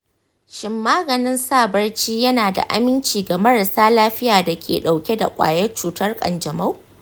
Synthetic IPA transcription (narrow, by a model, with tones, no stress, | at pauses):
ʃɪ˨mːaː˦ɡɐ˨nɪ˦nsaː˦˨bɐ˦rt͡ʃiː˦jɐ˦naː˨da̰˨ʔa̰˦mɪ˦nt͡ʃiː˨ɡa˨mɐ˦ɽa˨saː˦laː˦ɸɪ˦jaː˨da˨kʲʰḛː˨ɗa˨wkʲe˦da̰˨kʷʼa̰ː˨jɐ˦rt͡ʃuː˦tɐ˦rkʼɐ̰˨nd͡ʒɐ˨ma˦w